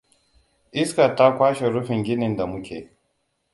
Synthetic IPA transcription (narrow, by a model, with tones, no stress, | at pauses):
ʔɪ˦ska˨ta˦kʷaː˦ʃe˨ɾʊ˦ɸɪ˨ŋɡʲɪ˦nɪ˨nda˨mʊ˦kʲḛː˨